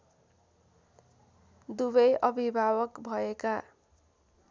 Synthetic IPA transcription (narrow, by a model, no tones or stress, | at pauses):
d̪ubʌjʔʌbʱibʱabʌkbʱʌeka